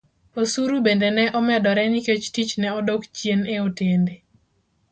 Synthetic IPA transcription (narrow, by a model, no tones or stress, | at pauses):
osuɾubendenɛʔɔmɛdɔɾɛniket͡ʃtit͡ʃnɛɔdokt͡ʃjeneotende